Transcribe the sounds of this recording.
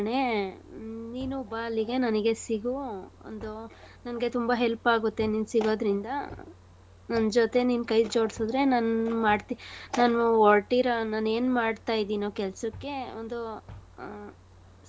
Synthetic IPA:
ɳe | niːnubaːliɡe̞nɐnɡe̞siɡuo̰nd̪u | nɐnɡe̞t̪umbɐɦelpaːɡut̪ːe̞niːnsiɡo̞ːd̪ɾind̪ɐ | nɐnd͡ʒot̪e̞niːnkɐjd͡ʒoːɽsod̪ɾe̞nanmaːɖt̪inaːnʋoːlʈiɾɐnaːne̞ːnmaːɖt̪aːjid̪iːnoːkɛlsɐkːe̞o̰nd̪u

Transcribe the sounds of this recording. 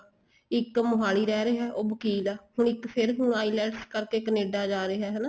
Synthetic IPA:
ɪkmʊɦaːliːɾɛːɾeːɦɛːʔoːbəkiːlaːhʊɳɪkpʰɪɾɦʊɳaːilɛːʈskəɾkeːkəneːɖaːd͡ʒaːɾeːɦɛːɦɛːnaː

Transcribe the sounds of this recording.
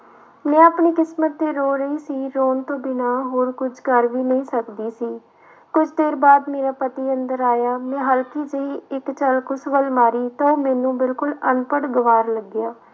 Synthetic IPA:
mɛ̃ːəpɳiːkɪsmət̪ːeːɾoːɾəiːsiːɾoːnt̪õːbɪnaːɦoːɾkʊt͡ʃʰkəɾʋiːnəĩːsəkd̪iːsiː | kʊd͡ʒʰd̪eːɾbaːd̪meːɾaːpət̪iːənd̪əɾaːjaːmɛ̃ːɦəlkiːd͡ʒəɦiːɪkt͡ʃəlkʊsʋəlmaːɾiːt̪ãːoːmɛ̃ːnũːbɪlkʊlənpəɽɡəʋaːɾləɡɪjaː

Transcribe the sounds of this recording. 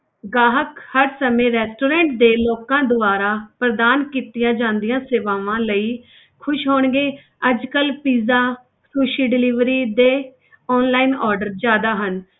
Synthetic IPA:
ɡaːɦəkhəɾsəmẽːɾɛːsʈoːɾɛ̃ːɳʈ̚d̪eːlɔːkãːd̪ʊʋaːɾaːpɾəd̪aːnkiːt̪ɪjãːd͡ʒãːnd̪ɪjãːseːʋaːʋãːləiː | kʰʊʃɦoːɳɡeː | əd͡ʒkəlpiːzaː | suːʃiːɖɪliːʋɾiːd̪eː | ɔːnlaːinɔːɾɖəɾd͡ʒjaːd̪aːɦən

